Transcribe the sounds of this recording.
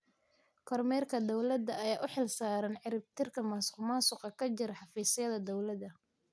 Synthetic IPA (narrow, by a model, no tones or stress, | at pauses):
kʰɔrmɛːrkʰɐd̪ɔwlɐd̪ɐɐjaːʔʊħɪlsaːɾɐnʕɪɾɪb̚t̪ʰɪrkʰɐmɐsʊ̥qmaːsʊqɑkʰɐt͡ʃɪɾħɑfiːsɪjɐðɐd̪ɔwlɐd̪ɐ